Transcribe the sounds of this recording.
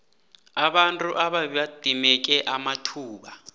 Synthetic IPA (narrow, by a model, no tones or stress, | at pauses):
aɓantʼuʔaɓaɓad̥ʱimɛk̬ʼɛʔamatʰuːɓa